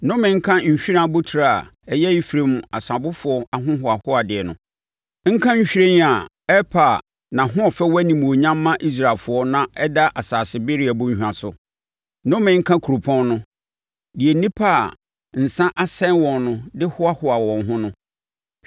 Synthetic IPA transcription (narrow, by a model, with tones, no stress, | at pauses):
nʊ̃˦mɪ̃˨ŋ̩˦kʰã˦ɲ̩˨ɕᶣi˦ɾã˦˨˦bʊ˦tʰi˨ɾa˦a̰˨ɛ˦jɛ˦i˦fɾẽ˦m˨a˨sa˨bʊ˦fʊ˨ɔ˦ʔa˨ɦʊ̃˦ɦʊ˨a˨hʊ˦a˨dɪ˨ɛ˨nʊ̰̃˨ | ŋ̩˦kʰã˦ɲ̩˦ɕᶣi˦ɾẽ˦n˦a˨ | ɛ˦pʰa˨ | nã˨ɦʊ̃˦ɔ˨fɛ˦wɛ˦nĩ˨m˨o˨ɲã˦mː˦ã˦ʔi˦s̬ɾa˨lfʊ˨ɔ˦nã˨ɛ˦da˦ʔa˨saː˨sɪ˨bɪ˦ɾi˦a˨bʊ̃˦ɲ̩˨hᶣã˨sʊ˨ | nʊ̃˦mɪ̃˨˦ŋ̩˦kʰã˦kʰu˨ɾo˨pʰɔ̃˦nːʊ̃˦ | di˨ɛ˨nĩ˦pʰa˦˨ | n̩˨sã˦ʔa˦sɛ̃˦nwɔ̃˨nnʊ̃˦dɪ˦hʊ˦a˦hʊ˨a˨wɔ̃˨nɦʊ̃˦nʊ̃˦